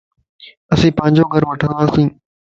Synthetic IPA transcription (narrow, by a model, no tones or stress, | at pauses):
əsĩːpə̃ɪɲd͡ʑoːɡʱəɾʋəʈʰə̃nd̪aːsĩː